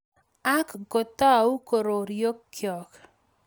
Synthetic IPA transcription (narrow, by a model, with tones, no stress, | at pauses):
a˦kɡo˨t̪a˦˨u˦ko˨ɾo˨ɾjo˦kːjɔ˨k